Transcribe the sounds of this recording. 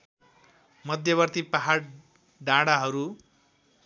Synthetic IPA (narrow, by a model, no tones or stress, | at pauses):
mʌd̪ʱjʌβʌrt̪ipaɦaɽ | ɖãɽaɦʌɾu